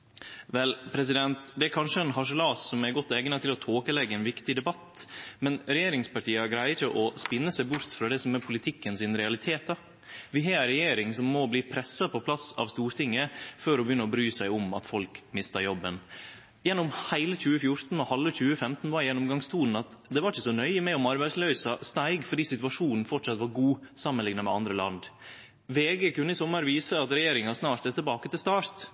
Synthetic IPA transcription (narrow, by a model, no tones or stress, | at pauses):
ʋɛlpʰɾɛsɪd̪ɛnt̪d̪ɛæɾkʰɑnʂəɛnɦɑʂəlɑːsːɔmæɾɡɔt̪ːeːɡənət̪ʰɪlɔt̪ʰoːkəlɛɡːəɛnʋɪkt̪ɪd̪ɛbɑt̪mɛnɾɛjeːɾɪŋspɑʈʰiːɑɡɾæɪəɾɪçəʔɔspɪnːəsæɪbʊɾt̪fɾɑːd̪ɛsɔmɛɾpʰʊlɪt̪ʰɪkːənsɪnɾɛɑlɪt̪ʰeːt̪̚d̪ɑ | ʋɪɦɑːɾɛjeːɾɪŋsɔmːɔbliːpʰɾɛsːɑpʰɔpʰlɑsɑ̰ʋst̪uːɾt̪ʰɪŋːəføɾɔbəjʏnːəɔbɾyːsæɪʊmɑ̰t̪fɔlkmɪst̪ɑɾjɔbːən | jɛnːʊmhæɪləçʉːəfjʊɾt̪n̩ɔhɑlːəçʉːəfɛmt̪n̩ʋɑɾjɛnːɔmɡɑŋst̪ʰuːln̩ɑt̪d̪ɛʋɑɾɪçəsɔnœʏəmɛɔmɑɾbæɪd̪slœʏsɑst̪æɪɡfɔɖiːsɪt̪ʉɑʂuːnn̩fɔʈʂɑt̪ʋɑɾɡuːsɑmːənlɪŋnɑmɛ̰ɑ̰nd̪ɾəlɑ̰nd̪ | ʋeːɡɛːkʉnːəɪsɔmːəɾʋiːsəɑt̪ɾɛjeːɾɪŋɑsnɑːɾt̪ɛt̪ʰːɪlbɑːkət̪ɪlst̪ɑːɾt̪